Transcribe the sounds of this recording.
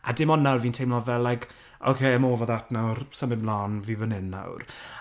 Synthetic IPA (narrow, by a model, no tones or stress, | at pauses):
adɪmɔnːawrviːntʰejmlˠɔvɛlːajkʰ | o̰wkʰejɛmoːvɔðatnawrsəmɪblˠaːnvivənɪnːa̰wr